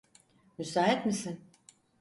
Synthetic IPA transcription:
mysaːɦɛt̪misin

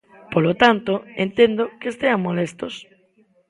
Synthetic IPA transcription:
polot̪ant̪oent̪end̪okest̪eaŋmolest̪os

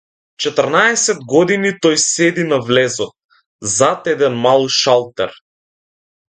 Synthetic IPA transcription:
t͡ʃɛt̪əɾnaɛsɛd̪̚ɡɔd̪init̪ɔjsɛd̪inavlɛzɔt̪̚ | zat̪ɛd̪ɛnmalˠuʃalˠt̪ɛ̰ɾ

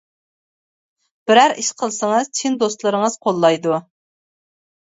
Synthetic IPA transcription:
b̥ɪɾæɾiʃqʰəlˠsəŋɨz̥t͡ʃʰind̪ost̪lˠɨɾəŋəz̥qʰolˠːɑjd̪u

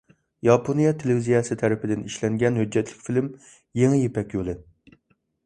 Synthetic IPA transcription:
jɑpʰonijɛt̪ʰelvizijɛsɨt̪ʰæɾɪpʰɪd̪ɪniʃlɛŋɡʲɛnɦød͡ʒːɛt̪ʰlɪkʲfilɪm | jeŋɪjepɛkʲjolˠɨ

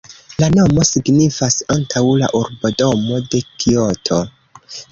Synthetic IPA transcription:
lano̞mo̞siɡnifasantʰawla̰ʔuɾbodo̞mo̞de̞kiotʰo̞

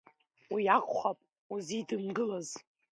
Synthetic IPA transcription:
wijaχʷʰχʷapʼ | uzidɨmɡɨlaz

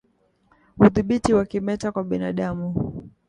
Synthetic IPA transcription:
uθiɓitiwakimɛtakwaɓinaɗamu

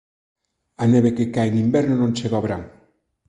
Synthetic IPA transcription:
aneβekekaeŋimbɛɾnonõnt͡ʃeɣoβɾaŋ

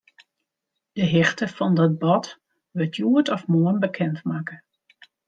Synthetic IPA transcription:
d̥əɦɪxtəfɔndɔt̚bɔt | ʋətʰjuətɔfmoənbəkʰɛntmaːkə

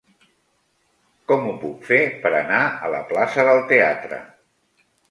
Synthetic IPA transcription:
kɔmupukfepəɾə̰naələ̰plasəðəlˠt̪eat̪ɾə̰

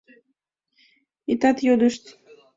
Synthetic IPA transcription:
it̪ɑt̪jod̪əʃt̪

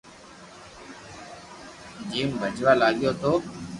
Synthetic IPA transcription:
d͡ʒiːmbʱəd͡ʒʋaːlaːɠɪjoːt̪oː

